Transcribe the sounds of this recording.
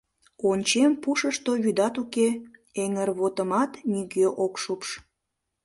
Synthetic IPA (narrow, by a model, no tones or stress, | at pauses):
onʲt͡ɕempuʃəʃt̪oβyd̪ɑt̪ukeeŋərβot̪əmɑt̪niɣeʔokʃupʃ